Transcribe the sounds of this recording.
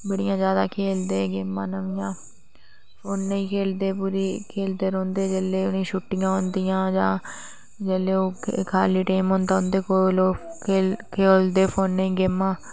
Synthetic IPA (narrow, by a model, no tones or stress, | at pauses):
bəɽɪjãːzjaːd̪aːkʰeːld̪eːɡeːmːãːnəʋɪjãː | pʰoːnːəĩːkʰeːld̪eːpuːɾiːkʰeːld̪eːɾõːnd̪eːd͡ʒəlːeːʊnĩːʃʊʈːɪjãːɦʊ̃nd̪ɪjãːd͡ʒãː | d͡ʒəlːeːoːkʰaːliːʈeːmɦõːnd̪aːʊnd̪eːkoloːkeːkʰeːld̪eːpʰoːnːəĩːɡeːmːãː